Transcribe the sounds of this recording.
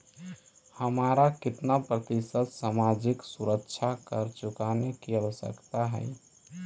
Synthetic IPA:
həmaɾakɪt̪napɾət̪isət̪samad͡ʒɪksuɾəkt͡ʃʰakəɾt͡ʃʊkanekiəʋəsə̰kt̪aɦɛ̰ɪ

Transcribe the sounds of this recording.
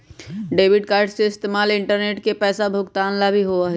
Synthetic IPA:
ɖeːbɪɖkaːɾɖseɪst̪eːmaːlɪ̃ɳʈəɾneːʈkepɛːsabʱʊɡt̪aːnlabʱiɦoaɦɛ

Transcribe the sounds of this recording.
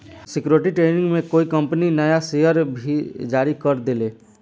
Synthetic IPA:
sɪkjuɾʈ̬iʈɾeːnɪ̃ŋɡmẽkoːikə̃mpninəjasejəɾbʱid͡ʒaːɾikəɾd̪ɪleː

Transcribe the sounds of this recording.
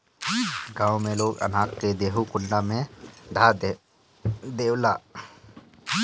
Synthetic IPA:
ɡãːwmẽloːɡə̰naːkked̪eːɦukʊɳɖamẽd̪ʱa | d̪eːwla

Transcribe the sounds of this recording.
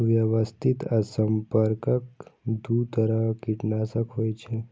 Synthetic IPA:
ʋjəʋəst̪ʰit̪əsəmpəɾkəkd̪ut̪əɾəkiʈnasəkɦojt͡ʃʰe

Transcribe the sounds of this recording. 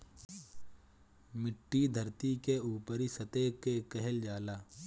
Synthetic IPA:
mɪʈːid̪ʱəɾt̪ikeuːpəɾisɐt̪ekekɛɦɛld͡ʒaːlaː

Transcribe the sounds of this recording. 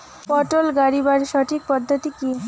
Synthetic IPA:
pɔʈolɡaɾibaɾʃɔʈʰik̚pɔd̪ʱːɔt̪iki

